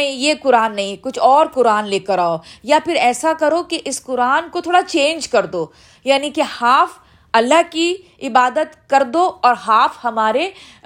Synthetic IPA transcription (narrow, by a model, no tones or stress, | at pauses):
nɐɦĩjekʊɾaːnːɐɦĩkʊt͡ʃʰɔːɾkʊɾaːnleːkəɾaːojapɪɾɛːsakɐɾokeʔɪskʊɾaːnkot̪ʰoːɽat͡ʃẽːnd͡ʒkɐɾd̪oː | jaːnikehaːf | ɐlːaɦki | ɪbaːd̪ət̪kɐɾd̪oɔːɾɦaːfhɐmaːɾe